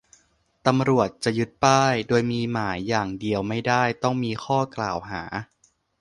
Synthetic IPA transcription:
t̪a˧mɾu˨˩ət̪̚t͡ɕa˨˩ju˦˥t̪̚paː˥˩jdoː˧jmiː˧maː˩˦jːaː˨˩ŋdi˧əwma˥˩jdaː˥˩jt̪ɔ˥˩ŋmiː˧xʰɔː˥˩kla̰ː˨˩wɦaː˩˦

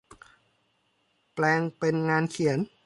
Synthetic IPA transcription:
plɛː˧ŋpe˧nŋaː˧nkʰi˩˦n

